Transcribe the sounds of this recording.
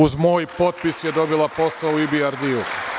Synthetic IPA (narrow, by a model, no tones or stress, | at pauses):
uzmo̞ːjpo̞t̪̚pisjed̪o̞bilapo̞sauibiaɾd̪iu